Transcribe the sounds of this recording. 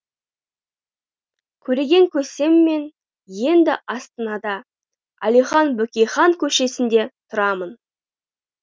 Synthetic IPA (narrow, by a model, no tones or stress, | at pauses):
kʲʰɵɾe̞ɡʲe̞ŋkʲʰɵse̞mːe̞n | je̞nd̪ɪʔɑst̪ənɑd̪ɑ | æ̰lijχɑnbɵkʲejχɑŋkʲʰɵʃe̞sɪnd̪e̞t̪ʰʊɾɑmən